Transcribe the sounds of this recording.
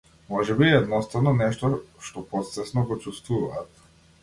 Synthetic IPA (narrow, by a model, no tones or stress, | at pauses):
mɔʒɛbiɛd̪nɔst̪avnɔnɛʃt̪ɔʃt̪ɔpɔt̪sɛsnɔɡɔt͡ʃust̪vuvaːt̪